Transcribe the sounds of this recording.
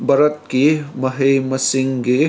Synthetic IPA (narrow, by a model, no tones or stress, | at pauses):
bɐɾət̪̚kimɐɦemɐsɪ̃ŋɡe